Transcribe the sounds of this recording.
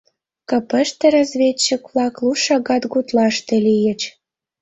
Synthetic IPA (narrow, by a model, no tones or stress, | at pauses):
kɤpə̆ʃt̪ĕɾɑzβʲet͡ɕːikβlɑkluʃɑɣɑt̪ɡut̪lɑʃt̪ĕlijə̆t͡ɕ